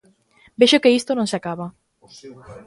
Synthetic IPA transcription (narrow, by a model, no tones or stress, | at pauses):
beʃokeist̪onõŋseakaβa